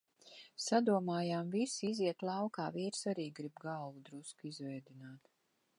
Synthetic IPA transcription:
sad̪uɔmaːjaːmvisiziɛt̪lˠawkaːviːɾsaɾiːɡɾibɡalvud̪ɾuskizvɛjd̪inaːt̪

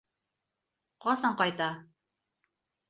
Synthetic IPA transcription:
qɑsɑɴqɑjt̪ɑ

